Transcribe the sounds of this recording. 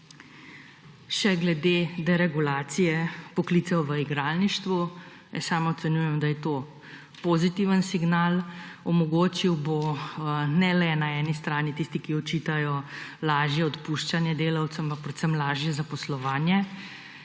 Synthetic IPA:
ʃɛɡlɛd̪ed̪ɛɾɛɡulaːt̪sijɛpɔkliːt̪sɛwʋəiɡɾaːlniʃt̪ʋu | jɛsaːmɔt̪sɛnjuːjɛmd̪ajɛt̪oː | pozit̪iːʋənsiɡnaːlɔmɔɡoːt͡ʃiwbo | nɛlɛnaɛːnist̪ɾaːnit̪iːst̪ikiɔt͡ʃiːt̪ajɔlaːʒjɛɔt̪puːʃt͡ʃanjɛd̪eːlawt̪səmpak̚pɾɛt̪səmlaːʒjɛzapɔslɔʋaːnjɛ

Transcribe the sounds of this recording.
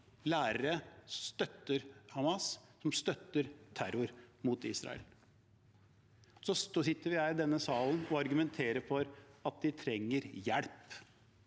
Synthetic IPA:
læːɾəɾəsst̪œt̪ːəɾhɑmɑssɔmst̪œt̪ːəɾt̪ʰæɾʊɾmut̪iːsɾɑ̰ɛ̰l | sɔsosɪt̪ːəɾʋɪhæɪd̪ɛnːəsɑːlnɔɑɾɡʉmɛnt̪ʰeːɾəfɔɾɑt̪̚d̪ɪt̪ʰɾɛŋːəɾjɛɽp

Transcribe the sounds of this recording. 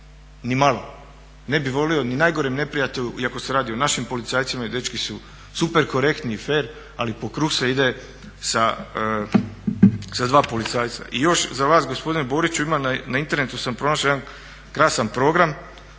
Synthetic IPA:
nimalˠo̞ | ne̞biʋo̞lio̞ninajɡo̞ɾimne̞pɾijat̪e̞ʎuiako̞se̞ɾaːd̪io̞naʃimpo̞lit̪saːjt̪simaid̪e̞t͡ʃkisu | supe̞ɾko̞ɾe̞kt̪niːfeːɾ | alipo̞kɾuːxseid̪e̞ | sa | sad̪ʋaːpo̞lit̪saːjt̪sa̰ʔijo̞ʃzaʋaːsɡospod̪inebo̞ːɾit͡ɕuimananaint̪e̞ɾnet̪usampɾo̞naʃojed̪an | kɾaːsanpɾo̞ːɡɾam

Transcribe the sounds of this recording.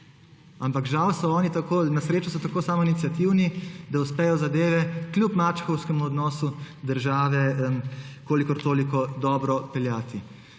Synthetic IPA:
ampakʒawsɔɔːnit̪akoːnasɾeːt͡ʃɔsɔt̪akoːsaːmɔinit̪sijat̪iwnid̪auspɛjɔzad̪eːʋɛklʲjupmaːt͡ʃxɔwskɛmuɔd̪nɔːsu | d̪əɾʒaːʋɛmkoːlikɔɾt̪oːlikɔd̪ɔːbɾɔpɛljaːt̪i

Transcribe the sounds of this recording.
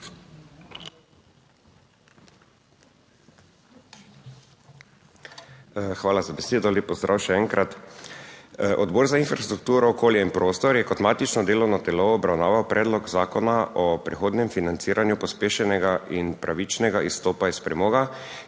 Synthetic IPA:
xʋaːlazabɛseːd̪ɔleːpːɔzd̪ɾa̰ːwʃɛɛːŋkɾat̪ | ʔɔd̪bɔːɾzainfɾast̪ɾuk̚t̪uːɾɔːkoːljɛinpɾoːst̪ɔɾjɛkɔt̪maːt̪it͡ʃnɔd̪eːlɔwnɔt̪ɛloːbɾawnaːʋawpɾʔɛːd̪lɔɡzaːkɔnaʔɔpɾɛxoːd̪nɛmfinant̪siːɾʔanjupɔspeːʃɛnɛɡaʔinpɾʔaʋit͡ʃnɛɡaʔist̪oːpaispɾɛmoːɡa

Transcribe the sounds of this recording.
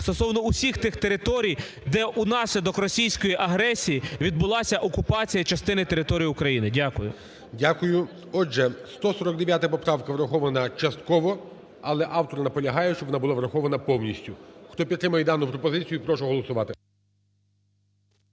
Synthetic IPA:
st̪ɔsɔʋnɔusʲixt̪ɪxt̪e̞ɾɪt̪ɔɾʲij | d̪ɛʔunɑsʲlʲɐd̪ɔkrɔsʲijsʲkɔjiʔɐɦɾɛsʲijiʋʲid̪̚bʊlˠɑsʲɐʔɔkʊpɑt͡sʲijɐt͡ʃɐst̪ɪnɪt̪eɾɪt̪ɔɾʲijʊkɾɐjinɪdʲakʊjʊ̰ | dʲakʊjʊ | ɔʒɛst̪ɔsɔɾɔk̚d̪eʋʲjat̪ɪpɔpɾɑʋkɐʋɾɐxɔʋɐnɐt͡ʃɐst̪kɔʋɔ | ɐlˠɛʔɑwt̪ɔrnɐpɔlʲɐɦɑjɛʃt͡ʃɔbʋɔnabʊlˠaʋɾɐxɔʋɐnɐpɔwnʲisʲtʲʊxt̪ɔpʲidt̪ːɾɪmɐjɛd̪ɑnːʊpɾɔpɔzɪt͡sʲijʊipɾɔʃɛɦɔlˠɔsʊʋɑt̪ɪ

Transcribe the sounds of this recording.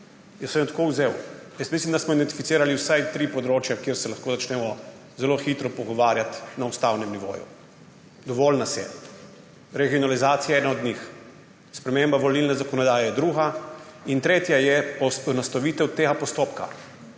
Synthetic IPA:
jəsmɛmt̪akowzewjəst̪mislʲimd̪asmɔid̪ɛnt̪i̥fit̪siːɾaliwsajt̪ɾiːpɔd̪ɾoːt͡ʃjakjeɾsɛlaxkoːzat͡ʃnɛːmɔ | zɛloxit̪ɾɔpɔɡɔʋaːɾjat̪naust̪awnɛmniʋo̰ːjṵ | d̪ɔʋɔlnasjɛ̰ | ɾɛɡiɔnalizaːt̪siaɛnaɔd̪ɲix | spɾɛmembaʋɔlilnɛzakɔnɔd̪aːjɛjɛd̪ɾuːɦaint̪ɾeːt̪jajɛɔsɔnɔst̪aʋiːt̪ɛwt̪eːɡapɔst̪oːpka̰

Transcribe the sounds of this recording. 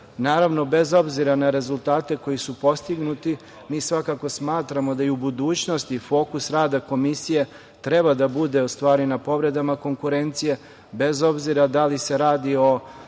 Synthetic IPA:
naːɾaʋno̞be̞zo̞bziɾanaɾe̞zulˠt̪aːt̪e̞ko̞jisupo̞st̪iɡnut̪i | miːsʋakako̞smaːt̪ɾamo̞d̪aiubud̪uːt͡ɕno̞st̪ifo̞ːkusɾaːd̪ako̞misije̞ | t̪ɾe̞bad̪abud̪e̞ust̪ʋaːɾinapo̞ʋɾe̞d̪amako̞ŋkuɾe̞nt̪sije̞ | be̞zo̞bziɾad̪alise̞ɾaːd̪io̞

